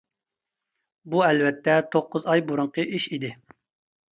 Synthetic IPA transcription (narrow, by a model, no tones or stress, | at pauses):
buɛlvɛt̪ʰːɛt̪ʰoqːʊzɑjbuɾuŋqʰəʔiʃid̪ɪ